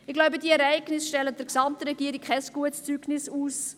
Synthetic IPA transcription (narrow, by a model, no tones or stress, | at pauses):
ɪɡ̥laʊbədiəɛɾɛɪɡnɪsʃtɛlːəd̥əɾksɑmtəɾɛɡiəɾik̚ʰɛsɡ̥uətst͡syɡnɪsuːs